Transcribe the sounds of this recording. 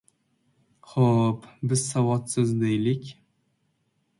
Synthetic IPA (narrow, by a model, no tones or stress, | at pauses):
χopbɪz̥sawɒt̪sɪzd̪ejlɪkʲ